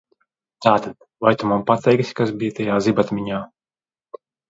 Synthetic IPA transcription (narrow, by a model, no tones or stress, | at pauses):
t̪aːt̪ad̪̥ | vajt̪umampat̪ɛjksʲkasbijət̪ɛjaːzibat̪mʲiɲaː